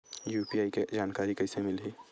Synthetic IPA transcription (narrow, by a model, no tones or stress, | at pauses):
juːpiaːiked͡ʒaːnkaːɾikɐɪsemɪlɦiː